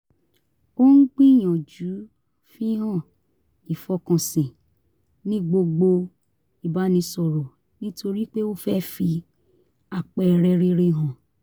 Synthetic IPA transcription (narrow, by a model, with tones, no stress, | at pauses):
o˦n̩˦k͡pĩ˦˨j̃ɔ̃˨d͡ʒu˨˦ | fi˦ɦã˦˨ | i˨fɔ˧˦kã˨sĩ˨ | nĩ˦ɡ͡bo˧ɡ͡bo˧ | i˨ba˦nĩ˧sɔ˨ɾɔ˨ | nĩ˦tʰo˧ɾi˦k͡pe˦o˦fɛ˦fi˧ | a˨k͡pɛ˨ɾɛ˧ɾe˧ɾe˧ɦã˨